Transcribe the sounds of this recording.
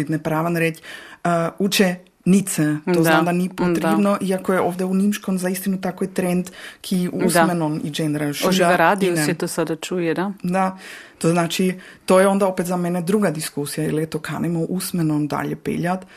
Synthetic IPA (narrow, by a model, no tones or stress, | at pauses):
id̪nepɾaːʋanɾet͡ʃː | ut͡ʃe | nit̪sɛt̪oznad̪anipot̪ɾednoʔiakojeʔoːʋd̪eunimʃkomzaist̪inut̪akojet̪ɾend̪kʰiusmenonḭd͡ʒenɾaʃʒaaɾad̪inseɛt̪osad̪at͡ʃujed̪ad̪at̪oznaːt͡ʃit̪ojeo̞nd̪aopet̪zamened̪ɾuɡad̪iskusijailjet̪okʰa̰nemoʔusmenond̪a̰ʎepḛʎat̪